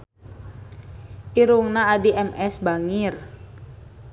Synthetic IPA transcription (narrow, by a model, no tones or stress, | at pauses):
ʔiɾuŋnaːdiʔɛmɛsbaŋir